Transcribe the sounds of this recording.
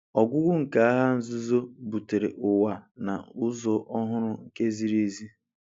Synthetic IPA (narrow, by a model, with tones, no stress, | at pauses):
ɔ˨ɡʷʊ˦ɡʷʊ˦ŋ̩˨ka˨a˦ɦa˦n̩˦zʊ˦zo˦bu˨te˨ɾḛ˨ʔʊ˨wa˨na̰˨ʊ˦zɔ˨ʔɔ˦ɦʊ˦ɾʊ˦ŋ̩˨ke˦zi˦ɾi˦zi˦